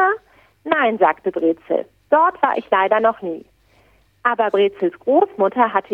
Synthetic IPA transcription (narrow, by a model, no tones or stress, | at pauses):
a | naɪnza̰ːktəbʁeːt͡sl̩ | d̥ɔɐtv̥aːɐʔɪçlaɪdɐnɔχniː | ʔaːbɐbʁeːt͡sl̩sɡ̥ʁoːsmʊtʰɐɦatʰə